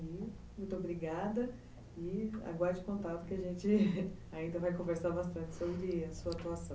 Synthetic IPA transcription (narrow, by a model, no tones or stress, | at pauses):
i | mũj̃t̪obɾiɡad̪ɐ | ɪa̰ɡwaɾd͡ʒɪkõnt̪at̪ʊ̥kɪaʒẽnt͡ʃɪ | aĩnd̪ɐvajkõveɾsaɾbast̪ɐ̃nt͡ʃɪ̥sobɾɪɐsuɐat̪uasɐ̃w̃